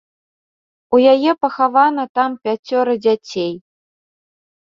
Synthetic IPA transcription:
ujajɛpɐxavanɐt̪ampʲat͡sʲɔɾɨd͡zʲat͡sʲej

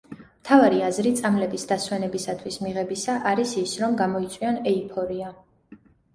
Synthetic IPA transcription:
mt̪ʰavaɾiazɾit̪sʼamlɛbisd̪aswɛnɛbisat̪ʰwismiʁɛbisaʔaɾisisɾɔmɡamɔit̪sʼwiɔnɛipʰɔɾia

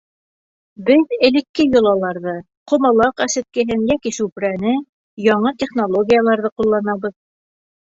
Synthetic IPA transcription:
bɘðɘ̆lɘ̆kːɘjŏlˠɑlˠɑɾðɤ | qŏmɑlˠɑqæsɘ̆t̪̚kɘ̆ɦɘnjækisʉpɾænɘ | jɑɴɤt̪ʲeχnolˠoɡʲijalˠɑɾðɤqulˠːɑnɑβɤð

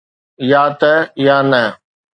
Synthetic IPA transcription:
jaːt̪ɐjaːnə

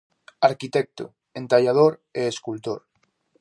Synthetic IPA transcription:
aɾkit̪ɛk̚t̪o̰ | ent̪aʎað̞oɾeeskult̪oɾ

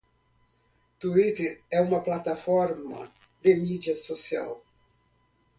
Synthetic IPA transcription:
t̪uit̪ɪɛumɐplat̪afɔɾma̰ | d̪emidasosia̰w

